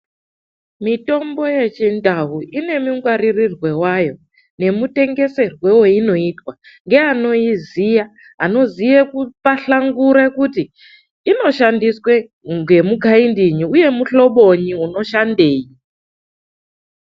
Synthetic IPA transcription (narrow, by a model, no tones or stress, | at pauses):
mito̞mbo̞je̞t͡ʃindʱaɦuʔine̞miŋɡwaririrwe̞wajo̞ | ne̞mute̞ŋɡe̞se̞rwe̞we̞ino̞itwa | ŋɡe̞ano̞izija | ɦa̰no̞zijekupaɬaŋɡuɾekutiː | no̞ʃandiswe | ŋɡe̞muɡʱaindiɲiuje̞muɬo̞ɓo̞ɲiuno̞ʃandeːji